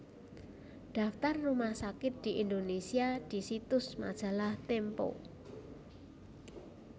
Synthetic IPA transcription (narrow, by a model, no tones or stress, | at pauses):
ɖ̥a̤ft̪arːumahsakɪt̪̚d̪̥i̤ʔind̪onesiad̪̥i̤sit̪ʊsma̰d̥ʒ̥ä̤laht̪empo̰